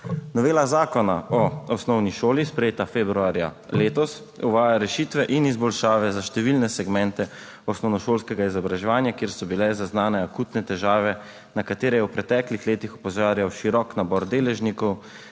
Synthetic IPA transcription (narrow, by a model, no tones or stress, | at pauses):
nɔʋeːlazaːkɔnaɔɔsnɔwniʃoːlispɾɛjeːt̪afeːbɾuaːɾja̰leːt̪ɔs | uʋaːjaɾɛʃiːt̪ʋɛʔinizbɔlʃaːʋɛzaʃt̪ɛʋilnɛsɛɡmɛnt̪ɛ | ɔsnɔwnɔʃoːlskɛɡaizɔbɾaʒɛʋaːnjakjeːɾsɔbilɛzaznaːnɛakuːt̪nɛt̪ɛʒaːʋɛ | nakat̪eːɾɛjɛwpɾɛt̪ɛːklixleːt̪ixupɔzaːɾjawʃiɾɔknabɔɾd̪eːlɛʒnikɔw